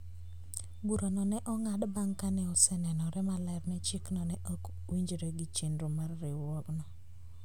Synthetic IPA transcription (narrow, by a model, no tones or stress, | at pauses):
buɾonɔnɛʔɔŋadbaŋkanɛɔsɛnɛnɔɾɛmalɛɾmɛt͡ʃɪknɔnɛʔok | wiɲd͡ʒɾeɡɪt͡ʃendɾomarːɪwɔɡnɔ